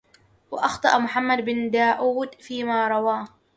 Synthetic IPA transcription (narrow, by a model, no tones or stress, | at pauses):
waʔɑxt̪ˤɑʔmʊħamːad̪bɪnd̪aːʔuːd̪fiːmaːɾˤɑwaː